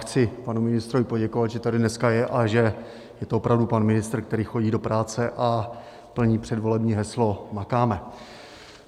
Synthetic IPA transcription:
xt͡sɪpanumɪnɪst̪ɾovɪpo̞ɟɛko̞vat̪ʒɛt̪adɪnɛskajɛʔaʒɛ | jɛt̪oopɾavdupanmɪnɪst̪r̩k̚t̪ɛɾiːxo̞ɟiːdo̞pɾaːt͡sɛʔa | pl̩ɲiːpr̝̥ɛdvo̞lɛbɲiːɦɛslo̞makaːmɛ

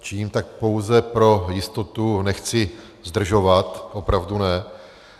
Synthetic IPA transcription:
t͡ʃiːmt̪ak̚po̞wzɛpɾo̞jɪst̪o̞t̪unɛxt͡sɪ | zd̪r̩ʒovat̪opɾavdunɛ

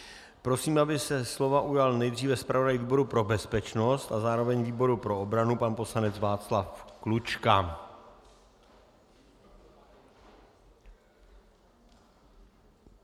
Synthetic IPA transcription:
pɾo̞siːmabɪsɛslo̞vaʔujalnɛjd̪riːvɛspɾavodajviːbo̞ɾupɾo̞bɛspɛt͡ʃno̞st̪azaːɾovɛɲviːbo̞ɾupɾo̞obɾanupanpo̞slanɛt͡svaːt͡slafklut͡ʃka

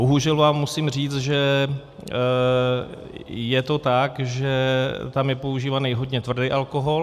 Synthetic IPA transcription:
boɦuʒɛlvaːmːusimr̝iːt͡s̪ʒɛ | jɛt̪o̞t̪akʒɛt̪amjɛpo̞uʒiːvanɛjɦo̞dɲɛt̪vr̩dɛjʔalkoɦo̞l

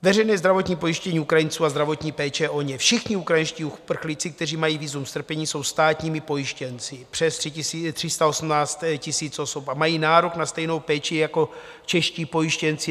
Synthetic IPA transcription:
vɛrɛjnɛːzd̪ɾavo̞t̪ɲiːpo̞jiʃcɛɲiːukɾajɪnt͡suːazd̪ɾavo̞t̪ɲiːpɛːt͡ʃɛʔo̞ɲɛfʃɪxɲɪukɾajinʃciːupr̩xlit͡sɪk̚t̪ɛriːmajiːviːzumst̪r̩pɛɲiːso̞wst̪aːt̪ɲiːmɪpo̞jɪʃcɛnt͡sɪpr̥ɛst̪ːt̪r̝̥ɪst̪ao̞smnaːt͡st̪cɪsiːt͡so̞sopamajiːnaːɾoknast̪ɛjno̞wpɛːt͡ʃɪjako̞ | t͡ʃɛʃciːpo̞jɪʃcɛnt͡sɪ

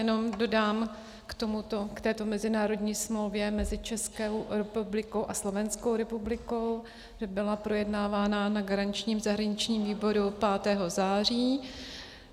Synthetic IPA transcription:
jɛno̞mdo̞daːm | kt̪o̞mut̪okt̪ɛːt̪o̞mɛzɪnaːɾo̞dɲiːsmlo̞wvjɛmɛzɪt͡ʃɛskɛwɾɛpublɪko̞wʔaslo̞vɛnskowɾɛpublɪko̞w | ʒ̥ɛbɪlapɾo̞jɛdnaːvaːnanaɡaɾaɲɪt͡ʃɲiːmzaɦɾaɲɪt͡ʃɲiːmviːbo̞ɾupaːt̪ɛːɦo̞zaːr̝iː

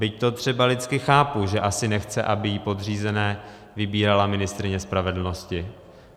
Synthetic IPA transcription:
bɪct̪o̞t̪r̝̥ɛbalɪt͡skɪxaːpuʒɛʔasɪnɛxt͡sɛ̰ʔabɪjipo̞d̪r̝iːzɛnɛː | vɪbiːɾalamɪnɪst̪ɾɪɲɛspɾavɛdl̩no̞scɪ

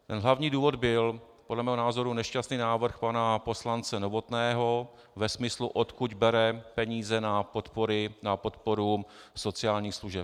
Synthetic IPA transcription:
t̪ɛnɦlavɲiːduːvo̞d̪bɪl | podlɛmɛːɦonaːzo̞ɾunɛʃcast̪niːnaːvr̩xpanapo̞slant͡sɛnovo̞t̪nɛːɦo | vɛsmɪsluʔot̪kuɟbɛɾɛpɛɲiːzɛnapo̞t̪po̞ɾɪnapo̞t̪po̞ɾuso̞t͡sɪaːlɲiːxsluʒɛp

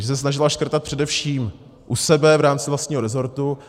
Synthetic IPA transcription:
ʒɛs̬ɛs̬naʒɪlaʃkr̩t̪at̪̚pr̥ɛdɛfʃiːm | ʔusɛbɛvɾaːmt͡sɪvlast̪ɲiːɦo̞ɾɛzo̞ɾt̪u

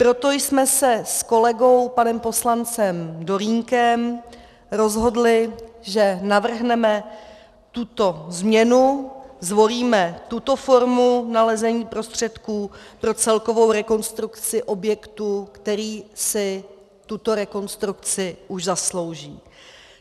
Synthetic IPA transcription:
pɾo̞t̪o̞jsmɛsɛsko̞lɛɡo̞wpanɛmpo̞slant͡sɛmdo̞ɾiːŋkɛm | ɾo̞zɦo̞dlɪʒɛnavr̩ɦnɛmɛ | t̪ut̪o̞zmɲɛnuzvo̞liːmɛt̪ut̪o̞fo̞ɾmunalɛzɛɲiːpɾo̞st̪r̝̥ɛt̪kuːpɾo̞t͡sɛlko̞vo̞wɾɛko̞nst̪ɾukt͡sɪʔo̞bjɛkt̪ukt̪ɛɾiːsɪ | t̪ut̪o̞ɾɛko̞nst̪ɾukt͡sɪʔuʒzaslo̞wʒiː

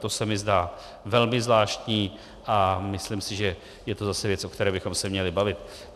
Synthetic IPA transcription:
t̪o̞sɛmɪzdaː | vɛlmɪzvlaːʃtɲiː | ʔamɪslimsɪʒɛ | jɛt̪o̞zasɛvjɛt͡sʔo̞kt̪ɛɾɛːbɪxo̞msɛmɲɛlɪbavɪt̪

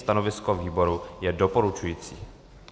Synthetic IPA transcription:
st̪ano̞vɪskoviːbo̞ɾujɛdopoɾut͡ʃujiːt͡sḭː

